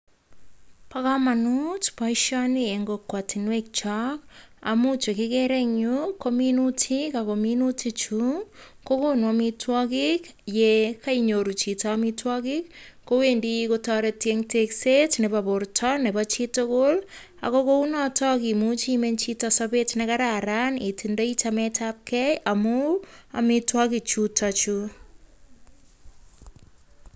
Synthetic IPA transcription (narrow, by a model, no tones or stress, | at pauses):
pakamanutpaiʃanieŋɡokwatʰinwek̚t͡ʃaka̰mut͡ʃekɪkeɾɛɲɲukominutʰikakominutʰit͡ʃukokonwamitwakikjekaiɲoɾut͡ʃitamitwakikkowendikotɔɾetjeŋteksetnebabʊrtʰɔnebat͡ʃitokol | a̰kokounɔtʰɔkimut͡ʃiment͡ʃitasɔbetnekaɾaɾanitʰindoit͡ʃamɛtap̚kʰɛjamua̰mitwɔkit͡ʃutʰat͡ʃu